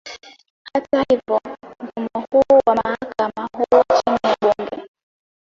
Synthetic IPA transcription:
hatahivɔm̩fumɔhuwamahakamahut͡ʃinɛɓɔmbɛ

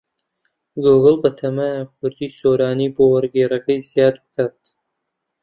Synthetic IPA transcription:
ɡoɣɨlbɐt̪ʰɐmaakʰʊɾd̪iːsoːɾaːniːboːwɐɾɡeːɾɐkɐjzijaːd̪̚bɨ̥kaːt̪

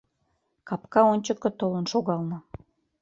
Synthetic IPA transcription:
kɑpkɑonʲt͡ɕəkːə̆t̪olənʃoɣɑlnɤ̆

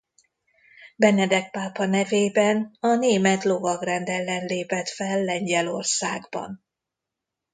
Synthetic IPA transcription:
bɛnɛd̪ɛk̚paːpɒnɛveːbɛnɒneːmɛt̪lo̞vɒɡrɛnd̪ɛlːɛnleːpɛt̪fɛlːɛɲɟɛlo̞rsaːɡbɒ̰n

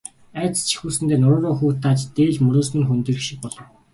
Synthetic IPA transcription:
æːt͡st͡ɕʰi̥xuːsɘ̆nt̪eːnʊɾʊːɾoːxuːt̪ʰːaːt͡ɕt̪eːɮmɵɾʊːs̬mɘ̆ŋxɵnt̪ɘ̆r̆xʃik̚pɔɮɞ̆w

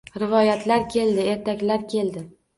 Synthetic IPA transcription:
ɾɪvɒjat̪ʰlaɾkʲʰe̞ld̪ɪe̞ɾt̪ʰakʲlaɾkʲʰe̞ld̪ɪ

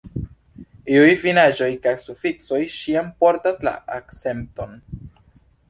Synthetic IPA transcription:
iujvinad͡ʒo̞jkajsufikso̞jʃiampo̞ɾtasla̰akt͡se̞mp̚to̞n

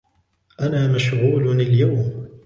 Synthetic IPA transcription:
ʔanaːmaʃɣuːlnaljawm

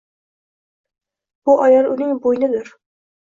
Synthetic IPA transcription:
b̥ʊʔɒjɑɾʊnɪŋbojnɪd̪ʊɾ

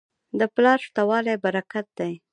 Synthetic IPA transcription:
d̪əplɑɾʂt̪awɑlajbaɾakat̪̚d̪aj

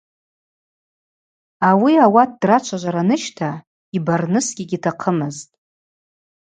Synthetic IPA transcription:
awiawat̚ʰdrat͡ʃʷʰaʒʷaɾanɨʃtʰa | ibarnɨsɡʲiɡʲitʰaqʰəmɨztʼ

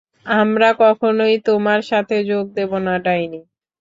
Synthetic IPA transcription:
amɾakɔkʰonojt̪omaɾʃat̪ʰed͡ʑoɡ̚d̪ebonaɖajni

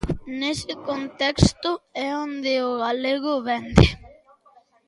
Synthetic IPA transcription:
nesekont̪ekst̪uɛond̪eoɣ̞aleɣ̞oβend̪e

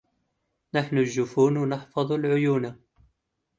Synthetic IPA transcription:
naħnuʒːʊfuːnwnɑħfɑðˤʊlʕʊjuːna

